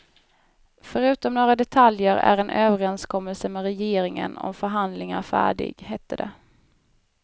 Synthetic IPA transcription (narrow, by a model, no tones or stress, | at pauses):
fœɾʉ̟ːt̪ɔmnoːɾad̪ɛt̪ʰaljəɾæ̰ɾɛnʔøːvəɾɛnskʰɔmːəlsəmɛɾɛjeːɾɪŋə̰nɔ̰mfœɾɦand̪lɪŋaɾfæ̰ːɖɪ̰ɡhɛt̪ʰːəɖɛ̰